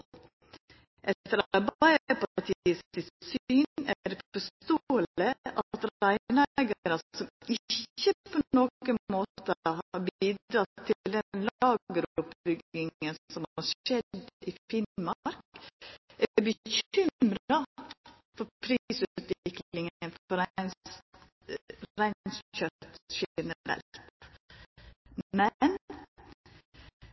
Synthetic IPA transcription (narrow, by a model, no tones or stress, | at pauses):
ʔɛt̪əɾɑɑɾbæɪəpɑɑʈʰiiːəsɪsyːnæɾfɔst̪oːələʔɑt̪ɾæɪnɛɡəɾəsɔmɪçəpʰonoːkənmoːt̪əɦɑɾbiːd̪ɾɑt̪ʰːɪld̪ɛnlɑːɡəɾʊpb̥ʏɡɪŋənsɔmhɑʂɛd̪ɪfɪnmɑɾk | ʔæbəçʏmɾɑ | fɔɾpʰɾisʉtːt̪ʋɪkllɪŋənfɔɾæns | ɾæɪsçœt̪ʃɛnəɾɛ̰lt̪ | mɛn